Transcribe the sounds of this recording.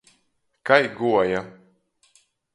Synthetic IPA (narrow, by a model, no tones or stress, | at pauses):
kajɡuɔja